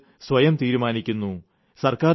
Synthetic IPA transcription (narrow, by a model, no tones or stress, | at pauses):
sʋɐjɐmt̪iːɾumaːnikʲːunːu | sɐrkaː